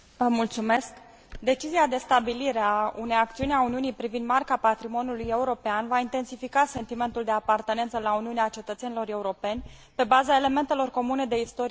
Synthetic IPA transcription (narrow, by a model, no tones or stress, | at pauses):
vəmult̪sume̞sk | d̪e̞t͡ʃiziad̪e̞st̪abiliɾeaunejak̚t̪siunʲauniunijpɾivind̪markapat̪ɾimo̞njuluje̞uɾo̞peanvaint̪e̞nsifikase̞nt̪ime̞nt̪uld̪e̞apart̪ene̞nt̪səlauniuneat͡ʃe̞t̪ət̪se̞nilo̞ɾe̞uɾo̞pe̞nʲ | pe̞bazae̞le̞me̞nt̪e̞lo̞rko̞mune̞d̪e̞ist̪o̞ɾi